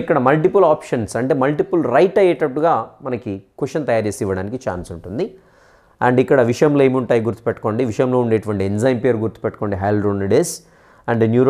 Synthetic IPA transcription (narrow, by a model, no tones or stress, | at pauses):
ikːɐɽɐmɐlʈ̬ipɐlaːpʂɐnsɐɳʈe̞ːmɐlʈipulɾɐjʈɐjɛʈɐʈːuɡaːmɐnɐkikuʂɐnt̪ɐjaːɾt͡ʃeːsiʋɐɽaːnikit͡ʃa̰ːnsuɳʈund̪i | ɐ̰ɳɖikːɐɽɐʋiʂɐjɐmloːe̞ːmiuɳʈaːjiɡuɾt̪u̥pɛʈːɐ̥ko̞ːɳɖiʋiʂɐjɐmlo̞ːuɳɖeːʈuʋɐɳʈienzɐjnpijɐɾɡuɾt̪u̥pɛʈːu̥ko̞ːɳɖiɦɐjlɾoːnɖeːs | ɐɳɖnjuːɾ